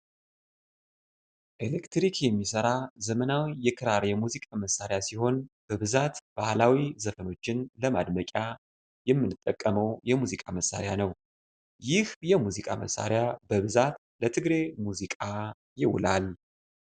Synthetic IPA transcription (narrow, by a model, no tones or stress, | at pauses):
ʔelekt̪ɾikjɛmːisəɾazəmənawijɛkʰɨɾaɾjɛmuzikʼaməsːaɾjasiho̞nb̥əβɨzat̪b̥ahlawizəfəno̞t͡ʃːɪnləmad̪məkʼa | jɛmːɨnɨt̪ʼːəkʼːəməwjɛmuzikʼaməsːa̰ɾjanəw | jɪhjɛmuzikʼamə̰sːa̰ɾjabəβɨzat̪ | lət̪ʰɨɡɾe̞muzikʼa | jɪwʊ̰lal